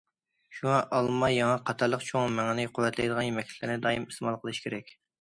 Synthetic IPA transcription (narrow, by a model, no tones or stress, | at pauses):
ʃuŋɑʔɑlˠmɑjɑŋɑqʰɑt̪ʰɑɾlˠəqt͡ʃʰoŋmæŋɪnɪqʰʊwɛt̪lɛjd̪əʁɑnjemɛkʲlʲɪkʰlɪɾnɪd̪ɑːjimismɑlˠqʰəlˠɨʃkʲʰeɾɛkʲ